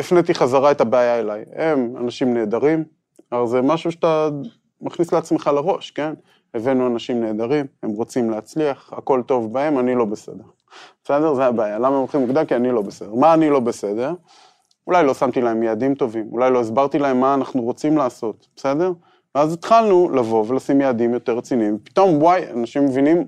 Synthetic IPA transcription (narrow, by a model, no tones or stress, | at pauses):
ifnet̪iχazaʁaet̪abeajaelajema̰naʃimne̞ːd̪aʁim | aalze̞maʃuʃḁt̪a | maχnisleat͡sme̞χalaʁo̞ʃke̞n | evenuanaʃimne̞ːd̪aʁime̞mʁo̞t͡simleat͡sliaχako̞lt̪o̞vbae̞manilo̞bese̞̰d̪e̞ʁ | bese̞d̪e̞ʁzeabaːjalamamoχimukd̪amkianilo̞bese̞d̪e̞ʁmaːnilo̞be̞se̞d̪e̞ʁ | ulajlo̞samt̪ilae̞mjeːd̪imt̪o̞vimṵlajlo̞izbaʁt̪ilae̞mːaːnaχnuʁot͡simlaːso̞t̪b̥ese̞d̪e̞ʁ | veazit̪χalnulavo̞ve̞lasimjead̪imjo̞t̪eʁːet͡sinivepi̥t̪o̞mwaja̰naʃimːevinim